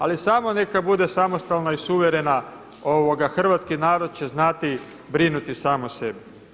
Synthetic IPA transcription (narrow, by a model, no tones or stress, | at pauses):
alisamo̞ne̞kabud̪e̞samo̞st̪alnaisuʋeɾe̞na | oʋoɡaxr̩ʋat̪skinaːɾo̞d̪̚t͡ɕe̞znat̪i | bɾinut̪isaːmose̞bi